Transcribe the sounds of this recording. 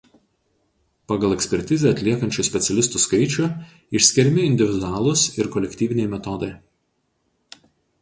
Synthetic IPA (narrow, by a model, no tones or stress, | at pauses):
pɑɡɐlˠɛkʲsʲpʲɛɾʲt̪ʲɪzʲeɐt̪ʲlʲiɛkɐnʲt͡ʃʲʊsʲpʲɛt̪sʲɛlʲɪst̪uskɐɪt͡ʃʲʊ | ɪʃʲsʲkʲɪɾʲmʲɪɪnʲd̪ʲɪʋʲɪd̪ʊaːlˠʊsɪɾkɔlʲɛkʲt̪ʲiːʋʲɪnʲɛɪmʲɛt̪ɔd̪ɐɪ